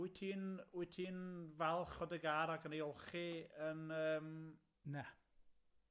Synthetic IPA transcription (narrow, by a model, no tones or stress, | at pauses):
itʰiːnʊɨtʰiːnvɛlˠχɔdəɡaɾaɡənejʊlˠχiənəːm | nɛ